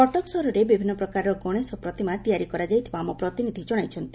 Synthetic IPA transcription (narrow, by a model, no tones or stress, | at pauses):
kɔʈɔksɔɾuɾebibʱinːɔpɾɔkaɾɔkɔɽ̃esɔpɾɔt̪imat̪ijaɾikɔɾad͡ʒajt̪ʰibaːmɔpɾɔt̪inid̪ʱid͡ʒɔɽ̃ajt͡ʃʰɔnt̪i